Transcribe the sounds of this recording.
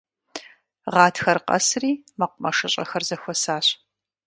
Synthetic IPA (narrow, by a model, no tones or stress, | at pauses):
ʁɑːtʰxɐrqɐ̰sriːmɐqʷʊmɐʂɐɕʼɐ̰xɐrzɐxʷɔsaːɕ